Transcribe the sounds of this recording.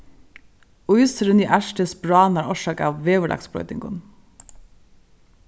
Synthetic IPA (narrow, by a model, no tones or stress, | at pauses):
ʊʏsəɾʉniːʔæʃʈəsbɾɑːnɑːɾɔʃɑːkɑ̰ːʋʋeːʋəlʔɑ̰ksbɽɔ̰ʏt̪ɪ̰ŋɡʊ̰n